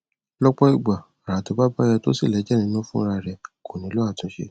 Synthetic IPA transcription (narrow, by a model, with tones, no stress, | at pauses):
lɔ˦k͡pɔ˦i˦˨ɡ͡ba˨ | a˨ɾa˨to˧˦ba˦ba˦jɛ˧to̰˦si˦˨lɛ˨˦d͡ʒɛ˦˨nĩ˧˦nũ˦fũ˦ɾa˧˨ɾɛ˧ko˨nĩ˨˦lo˦a˦˨tũ˨˦ʃḛ˧